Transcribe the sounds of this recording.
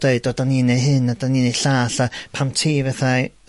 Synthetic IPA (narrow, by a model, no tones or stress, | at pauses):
d̥eɨd̥ɔdaniːnejɦɨnadaniːnejɬaːɬapʰamtʰiːvɛθa